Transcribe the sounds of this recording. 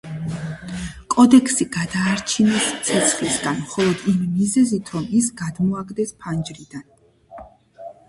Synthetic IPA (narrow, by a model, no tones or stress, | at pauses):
kʼɔd̪ɛkʰsiɡad̪aːɾt͡ʃʰinɛst̪sʰɛt̪sʰχlisɡanmχɔlˠɔd̪imːizɛzit̪ʰɾɔmisɡad̪mɔaɡd̪ɛspʰand͡ʒɾid̪an